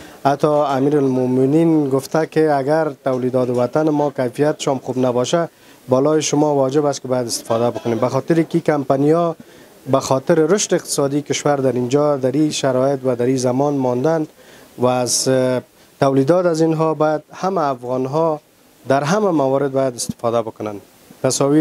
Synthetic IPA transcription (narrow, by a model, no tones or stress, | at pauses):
hat̪ɔamiɾalmʊmɪninɡʊft̪akɪaɡaɾt̪awlid̪ɔt̪ʊwat̪anɪmɔkajfijat̪ɪ̥ʃɔmχubnabɔʃa | bɔlɔjɪʃʊmɔwɔd͡ʒɪbast̪kɪbɔjad̪ɪst̪ɪ̥fɔd̪abʊkʊnembaxɔt̪ɪɾikikampanijɔ | baxɔt̪ɪɾɪɾʊʃt̪ɪɪq̚t̪ɪ̥sɔd̪ikɪʃwaɾd̪aɾind͡ʒɔd̪aɾiʃaɾɔjɪt̪wad̪aɾizamɔnmɔnd̪an | waːz | t̪awlid̪ɔt̪azinɦɔbɔjad̪hamaːfɣɔnɦɔ | d̪aɾɦamamawɔɾɪd̪̚bɔjad̪ɪst̪ɪ̥fɔd̪abʊkʊnan | t̪asɔwi